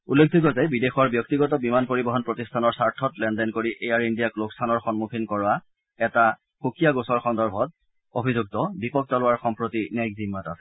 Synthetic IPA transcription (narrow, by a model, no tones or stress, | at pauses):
ulːek̚dʱikɔzɛbidexɔɹbjɔktiɡɔtɔbimanpoɹibɔɦɔnpɹotistʰanɔɹsaɹtʰɔtlɛndɛnkoɹiʔejaɹindijaklokstʰanɔɹxɔnmukʰinkɔɹa | ɛta | xokijaɡosɔɹxɔndɔɹbʱɔt̚ | obʱizuɡ̚tɔbipɔk̚tɔlʊwaɹxɔmpɹotinajkzimːatasɛ̥